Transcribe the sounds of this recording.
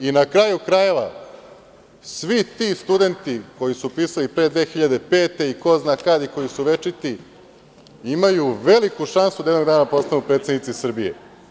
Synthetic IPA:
inakɾaːjukɾaje̞ʋa | sʋit̪ist̪ud̪e̞nt̪iko̞jisupiːsalipɾed̪ʋe̞ːxiʎad̪e̞pe̞ːt̪e̞iko̞znaːkad̪iko̞jisuʋe̞t͡ʃit̪i | imajuʋe̞likuʃansud̪ajed̪oɡd̪aːnapo̞st̪anupɾet̪sed̪nit̪sisr̩bijḛ

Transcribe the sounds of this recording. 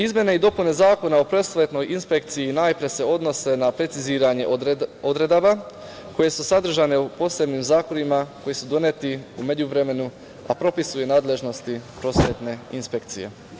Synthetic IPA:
izmje̞neid̪o̞pune̞zaːko̞nao̞pɾo̞sʋet̪no̞jinspe̞k̚t̪sijinaːjpɾe̞se̞o̞d̪no̞se̞napɾe̞t̪siziːɾaɲe̞̰od̪ɾe̞d̪aʋa | ko̞je̞susad̪r̩ʒane̞upo̞ːse̞bnimzaːko̞nimako̞jesud̪o̞net̪iume̞ɟuʋɾe̞me̞nu | a̰pɾo̞pisujenaːd̪le̞ʒno̞st̪ipɾo̞sʋet̪ne̞inspekt̪sḭje̞̰

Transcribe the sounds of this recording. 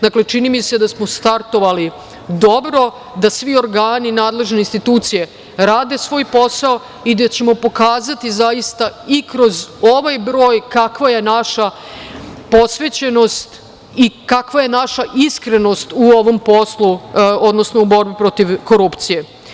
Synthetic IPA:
d̪akle̞t͡ʃinimise̞d̪asmo̞st̪aɾt̪o̞ʋali | d̪o̞bɾo̞ | d̪asʋio̞ɾɡaːninaːd̪le̞ʒne̞inst̪it̪uːt̪sije̞ | ɾaːd̪e̞sʋo̞ːjpo̞sao | id̪at͡ɕe̞mo̞po̞kaːzat̪izajist̪aikɾo̞zo̞ʋajbɾo̞ːjkakʋajenaʃa | po̞sʋe̞t͡ɕe̞no̞st̪ | ikakʋaje̞naʃaʔiskɾe̞no̞st̪uo̞ʋo̞mpo̞sluo̞d̪no̞snoubo̞ɾbipɾo̞t̪iʋko̞ɾupt̪sije̞

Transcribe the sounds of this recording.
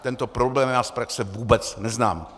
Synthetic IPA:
t̪ɛnt̪opɾo̞blɛːmnaːspɾaksɛvuːbɛt͡snɛzna̰ːm

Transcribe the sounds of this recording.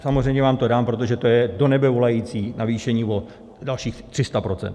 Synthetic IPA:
samozr̝ɛjmɲɛvaːmt̪o̞daːmpɾo̞t̪o̞ʒɛt̪o̞jɛdo̞nɛbɛvo̞lajiːt͡siːnʔaviːʃɛɲiːvo̞ | dalʃiːxt̪r̥ɪst̪apɾo̞t͡sɛ̰nt̪

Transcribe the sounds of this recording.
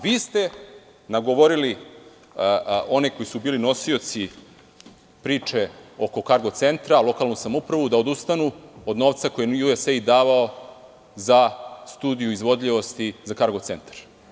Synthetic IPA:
ʋiːst̪e̞ | naɡoʋo̞ɾili | oneko̞jisubiːlino̞sio̞t̪si | pɾiːt͡ʃeo̞ko̞kaɾɡo̞t̪se̞nt̪ɾalˠo̞kalˠnusamoupɾaʋud̪aod̪ust̪anuod̪no̞ːʋt̪sako̞jejueseid̪aːʋao | zast̪uːd̪ijuizʋo̞d̪ʎʲiʋo̞st̪izakaɾɡo̞t̪sent̪ḁɾ

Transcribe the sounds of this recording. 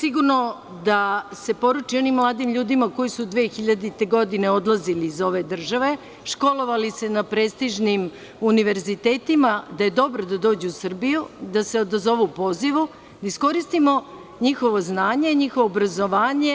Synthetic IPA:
siɡuɾno̞ | d̪ase̞po̞ɾut͡ʃio̞nimːlˠaːd̪imʎuːd̪imako̞jisud̪ʋeːxiʎad̪it̪e̞ɡo̞d̪ine̞o̞d̪lˠaziliːzo̞ʋe̞d̪r̩ʒaʋe̞ | ʃko̞lo̞ʋalise̞napɾest̪iʒnim | uniʋe̞ɾzit̪eːt̪imad̪aje̞d̪o̞bɾod̪ad̪o̞ːd͡ʑeusr̩bijud̪aseod̪azo̞ʋupo̞ziʋu | d̪aisko̞ɾist̪imo̞ | ɲixo̞ʋo̞znaːɲe̞ɲixo̞ʋoːbɾazo̞ʋaːɲe̞

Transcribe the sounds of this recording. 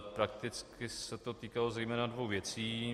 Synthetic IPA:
pɾak̚t̪ɪt͡skɪsɛt̪o̞t̪iːkalo̞zɛjmɛːnadvo̞wvjɛt͡siː

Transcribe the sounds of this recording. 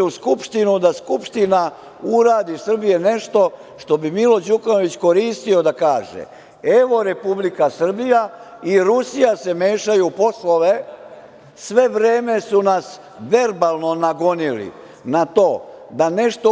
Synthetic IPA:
uskupʃt̪inud̪askupʃt̪ina | uɾaːd̪isr̩bije̞ne̞ʃt̪o̞ | ʃt̪o̞bimilo̞d͡ʑukano̞ʋit͡ɕko̞ɾiːst̪io̞d̪akaːʒḛ | eʋo̞ɾe̞publikasr̩bija | iɾusijase̞meːʃajupo̞sloʋe̞ | sʋe̞ʋɾe̞ːme̞sunas | ʋe̞ɾbalˠno̞naɡonilḭ | nat̪o̞ːd̪ane̞ʃt̪o

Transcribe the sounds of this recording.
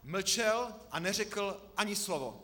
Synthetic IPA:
ml̩t͡ʃɛlʔanɛrɛkl̩ʔaɲɪslovo

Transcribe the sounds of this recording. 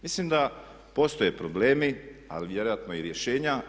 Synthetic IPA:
mislimd̪a | po̞st̪o̞jepɾoble̞ːmia̰liʋje̞ɾo̞jat̪nojiɾje̞ʃe̞ːɲa

